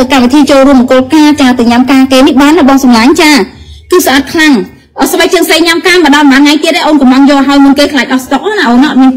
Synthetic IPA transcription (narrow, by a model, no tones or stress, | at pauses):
əkamʋit̪ʰiːt͡ɕoːlruəməkoəlkaːt͡ɕaət̪ɨɲamkaːkeːnihɓaːnːəɓɑŋsɑmlaːɲt͡ɕaː | kɨːsʔat̪̚kʰlaŋ | ʔəːsɓak̚t͡ɕɨəŋsəjɲamkaːməɗɑlmaːnŋajt̪iəʔeːʔoːnkɑmlɑŋjɔːɦaəjmɨənkeːkʰlaːk̚ʔɑhst̪ok̚ʔaːnaʔoːnəŋʔɑt̪̚miən